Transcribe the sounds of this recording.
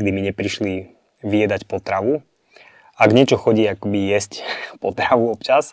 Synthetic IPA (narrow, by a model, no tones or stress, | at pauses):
ɡd̪imiɲɛpɾiʃli | ʋiɛd̪acpɔt̪ɾaʋu | aɡɲɛt͡ʃɔxɔɟiːakɔbijɛscpɔt̪ɾaʋuɔpt͡ʃas